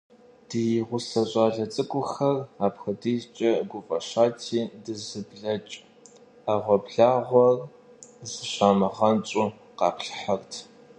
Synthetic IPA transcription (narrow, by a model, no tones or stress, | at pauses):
d̥ijɪʁʷʊsɐɕʼaːɮɐt͡sʼɨkʷʼʊxɐraːpxɐdiːzt͡ʃʼɐɡʷʊfʼɐɕaːtʰiːdɨzɨbɮɐt͡ʃʼ | aːʁʷɔbɮaːʁʷɔr | zɨɕaːmɨʁɐnt͡ʃʼʊ | qɑ̰ːpɬħartʰ